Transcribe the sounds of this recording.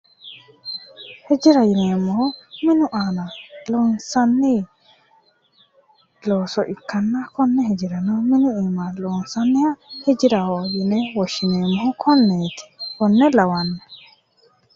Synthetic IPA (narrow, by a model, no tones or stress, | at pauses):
hɛd͡ʒɪɾɐjɪneːmːɔhɔmɪnʊʔaːnɐlɔːnsɐnːɪ | loːsɔʔɪkːɐnːɐkɔnːɛhɛd͡ʒɪɾɐnɔmɪnʊɛmalɔːnsɐnːɪjahɛd͡ʒɪɾɐhɔjɪnɛwɔʃɪneːmːɔhɔkʰɔnːeːt̪ɪ̥kɔnːɛlɐwɐnːɛ